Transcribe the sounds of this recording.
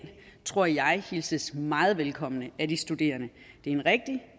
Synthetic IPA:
n | t͡sʰʁo̝ɐ̰jɑ̈ɪhilsəsmɑ̈ːð̞̩ˠʋelkʰɒ̽m̰ənəʔæd̥isd̥ud̥e̝̰ːɐnə | d̥e̝ɐe̝nʁɛɡ̥̚d̥i

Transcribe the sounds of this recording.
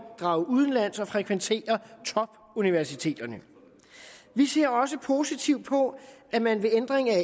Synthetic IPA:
d̥ʁɑ̈ʊʔuð̞ˠən̩læn̰sɒ̽fʁɛkʰʋent͡sʰe̝̰ːɐt͡sʰɒ̽b̥ | uniʋæɐsit͡sʰe̝̰ːd̥ɐnə | ʋise̝ɐ̰ɒ̽s̬əpʰo̝ːsit͡sʰiʊd̥̚pʰɒ̽æmænʋe̝end̥ʁeŋæ

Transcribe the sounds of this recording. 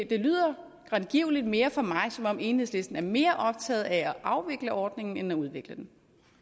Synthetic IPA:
d̥e̝lyð̰ˠɐ | ɡ̥ʁaðˠɡ̥iʊ̰lid̥me̝ːɐfɒ̽mɑ̈ɪsɒ̽mɒ̽me̝ːnheð̰ˠsle̝sd̥n̩æɐme̝ːɐʔɒ̽b̥̚t͡sʰɛ̰ːð̩ˠææʔɑ̈ʊʋe̝ɡ̥ləʔɒːd̥ne̝ŋn̩enɒuð̞ˠʋe̝ɡ̥ləd̥en

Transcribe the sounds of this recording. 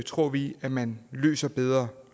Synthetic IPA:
t͡sʰʁo̝ɐ̰ʋiæmænlø̰ːsɐb̥eð̞ˠʁɐ

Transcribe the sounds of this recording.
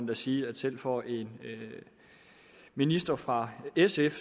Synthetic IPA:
nd̥æsiːæd̥sel̰fɒ̰ʔe̝n | minisd̥ɐfʁɑ̈esef

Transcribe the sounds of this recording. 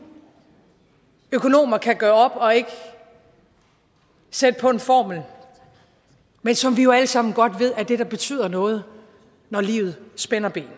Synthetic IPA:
økʰo̝no̝̰ːmɐkʰæɡ̥ɶːɐɒ̽b̥ɒ̽e̝ɡ̥ə | sed̥əpʰɒ̽e̝nfɒ̰ːml̩ | mensɒ̽mʋijo̝æləsɑ̈m̰n̩ɡ̥ɒ̽d̥ʋe̝ð̞̰ˠæɐd̥e̝d̥ɑ̈b̥e̝t͡sʰy̰ːð̰ˠɐnɔ̽ːð̞̩ˠ | nɒlḭːʊð̩ˠsb̥enɐb̥e̝̰ːn

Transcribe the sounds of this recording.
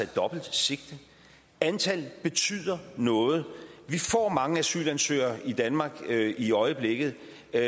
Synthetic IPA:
d̥ɒ̽b̥l̩d̥se̝ɡ̥̚d̥ | ænt͡sʰælb̥e̝t͡sʰy̰ð̰ˠɐnɔ̽ːð̩ˠʋifɒ̰ːmɑ̈ŋəæsy̰ːlænsø̰ːɐʔid̥ænmɑ̈ːɡ̥iɒ̽ɪəb̥leɡ̥ð̩ˠ

